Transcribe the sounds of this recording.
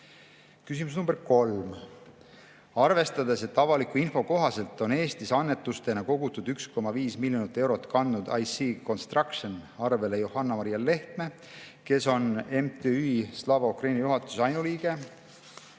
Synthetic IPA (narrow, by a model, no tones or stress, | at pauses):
kysimus̬numb̥eɾko̞lm | ɑrve̞st̪ɑd̪e̞se̞t̪ːɑvɑlikuinfo̞ko̞ɦɑse̞lt̪ˑːo̞ne̞ːst̪isɑnːe̞t̪ːˑust̪e̞nɑko̞ɡ̥ut̪ːud̪̥yksko̞mɑviːsmilʲjonit̪ːˑe̞wɾo̞t̪ːˑkɑnd̪nud̪̥ɑjsiko̞nst̪rɑkʃonɑrve̞lejohɑnːɑmɑɾiɑlːe̞ht̪me̞ | ke̞so̞ne̞mt̪eyslɑːvɑukrɑjnɑjuɦɑt̪ːˑu̥sɑjnuliːɡ̥e̞